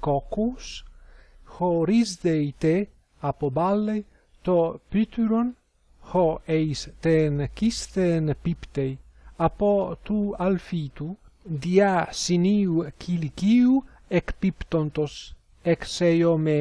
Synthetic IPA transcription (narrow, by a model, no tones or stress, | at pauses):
kokus | hoɾizd̪ejt̪e | apobalːej | t̪opyt̪yɾon | hoejst̪enkist̪enpipt̪ej | apot̪ualfit̪ud̪iasiniukʰilikiu | ekpipt̪ont̪os | eksejome